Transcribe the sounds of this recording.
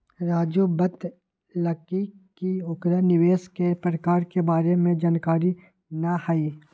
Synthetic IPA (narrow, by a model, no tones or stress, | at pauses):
ɾaːd͡ʒobət̪ | ləkikiʊkɾanɪʋeːskepɾəkaːɾkebaːɾemẽd͡ʒaːnkaːɾi | nahaiː